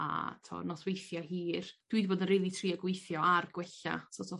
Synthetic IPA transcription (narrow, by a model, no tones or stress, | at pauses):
a̰tʰo̰nɔswejθjaɦiːrd̥wɨdboːdənrejlˠitʰriːəɡwejθjɔarɡwɛɬa̰sɔtʰɔ